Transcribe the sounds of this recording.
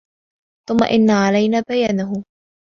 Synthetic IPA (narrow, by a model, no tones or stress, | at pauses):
θʊmːa̰ʔɪnːaːʕalajnaːbajaːnʊɦʊ